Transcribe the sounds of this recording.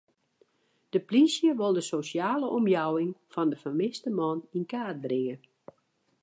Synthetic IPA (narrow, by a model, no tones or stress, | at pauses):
d̥əplisjəʋɪlˠdəsosjaːləʔɔmjawɪŋfɔndəfərmɪstəmɔninkaːt̚drɪŋə